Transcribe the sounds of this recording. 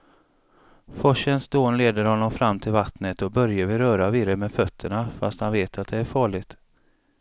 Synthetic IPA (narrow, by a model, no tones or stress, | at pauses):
fɔʂənsd̪oːnleːd̪əɾhɔnːɔmfɾamːt̪ʰɪlvat̪nət̪ɔbœɾjavɪɾœːɾavɪːɾəmɛfœt̪ʰːəɳafa̰st̪hanveːt̪ʰat̪̚d̪ɛæɾfɑːɭɪɡt̪